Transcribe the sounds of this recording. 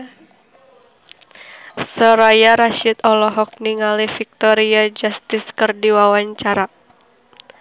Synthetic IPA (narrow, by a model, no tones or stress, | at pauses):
səɾajaɾaʃɪt̪ɔlɔɦɔk̚niŋalifik̚t̪ɔɾiad͡ʒast̪ɪskərdiwawaɲt͡ʃaɾa